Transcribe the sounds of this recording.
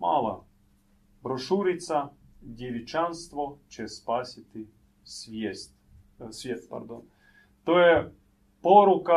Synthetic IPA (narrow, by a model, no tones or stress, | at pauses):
ma̰lˠɐ̰ | bɾoʂuɾʲɪt̪sɐdʲɪʋʲɪt͡ʃanst̪vot͡ʃespasʲɪt̪ɨ | svʲesʲt̪ʲ | sʲvʲest̪ʲpɐ̰rd̪on | t̪ojɛ | poɾʊkɐ